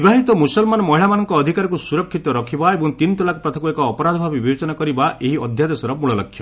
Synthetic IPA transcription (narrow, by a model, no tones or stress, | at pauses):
ibaɦit̪ɔmusɔlmanɔmɔɦiɭamanɔŋkɔːd̪ʱikaɾɔkusuɾɔkʰːit̪ɔɾɔkʰibaebɔŋt̪int̪ɔlakɔpɾɔt̪ʰɔkuekɔːpɔɾad̪ʱɔbʱabibiwet͡ʃɔnakɔɾibaʔeɦiɔd̪ʱjad̪esɔɾɔmuɭɔlɔkʰːjɔ